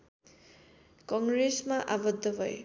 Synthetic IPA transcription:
kʌŋɡɾesmaʔabʌd̪ʱːʌbʱʌj

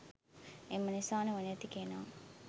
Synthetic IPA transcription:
emːənisaːneʋɐniɐt̪ikenaː

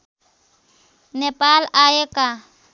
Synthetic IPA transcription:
nɛpʼalaɛkʼa

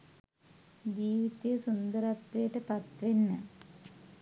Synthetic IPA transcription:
d͡ʑiːʋit̪ːijsund̪ɐɾɐt̪ʋeːʈːepɐt̪ɾinːɐ

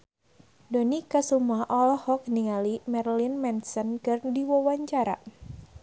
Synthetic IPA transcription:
donikasumuaʔɔlɔhɔk̚niŋalimɛrlinmɛnsɔnkɨrdiwɔwaɲt͡ʃaɾa̰

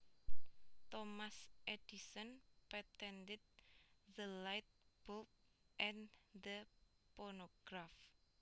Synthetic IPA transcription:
t̪ɔmasʔedisɔnpɛt̪ɛndɛd̪̚ðəlajt̪̚b̥op̚ | ʔɛ̃nd̪ə | pɔrnoɡ̥ɾaf

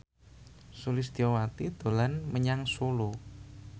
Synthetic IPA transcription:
sulɪsd̪̥iowat̪id̪̥o̤lanməɲaŋsolo

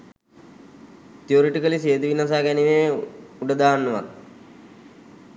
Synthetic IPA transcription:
t̪ijoːɾiʈikɐliseːd̪uʋinaːs̬aːkɛniʋeuɖɐd̪aːnːɐʋɐ̰n

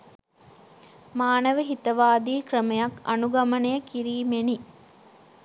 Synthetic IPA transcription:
maːnəʋəɦit̪əʋaːd̪iːkrəmɐjakɐ̰nuɡɐmənəjəkiɾiːmeni

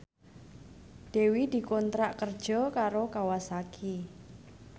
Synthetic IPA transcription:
d̪̥e̤wid̪̥i̤kɔnt̪ɾaʔkərd̥ʒ̥ɔ̤kaɾokawasakʰi

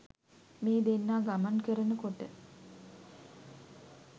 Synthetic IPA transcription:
meːd̪enːaːɡamankəɾənəkoʈə

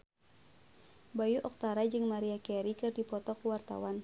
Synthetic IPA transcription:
bajuʔɔk̚t̪aɾad͡ʒɨŋmaɾiakɛɾikɨrdipɔt̪ɔkuwart̪a̰wan

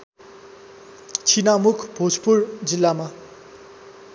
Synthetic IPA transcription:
t͡sʰinamukʰb̥ʱot͡spurd͡zilːama

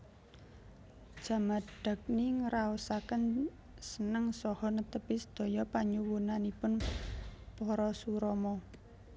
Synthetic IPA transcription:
d̥ʒ̥a̤maɖ̥a̤k̚niŋəɾaɔsakən | sənəŋsɔhɔnət̪əpɪsd̪̥ɔ̤jɔpaɲuwunanipʊn | pɔɾɔsuɾɔmɔ

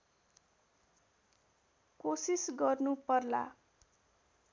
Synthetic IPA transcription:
kosisɡʌrnupʌrla̰

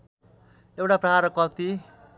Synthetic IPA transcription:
ewʈaprʌɦaɾʌkʌt̪i

